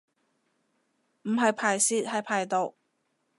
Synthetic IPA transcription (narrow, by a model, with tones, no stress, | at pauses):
m̩˨˩ɦɐ˨jpʰaː˨˩jsiː˧˥t̚hɐ˨jpʰaː˨˩jt̪o˨w